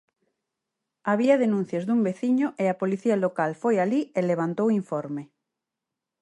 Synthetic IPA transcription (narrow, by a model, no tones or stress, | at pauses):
aβiaðenũn̟θjazðumbeθiɲoʔeapoliθialokalfojalieleβ̞ant̪owiɱfɔɾme